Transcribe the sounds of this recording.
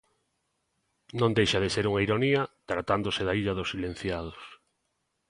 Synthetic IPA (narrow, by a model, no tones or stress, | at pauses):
nõnd̪ejʃaðeseɾuŋaiɾoniɐt̪ɾat̪and̪oseðaiʎɐðossːilẽn̟θjað̞os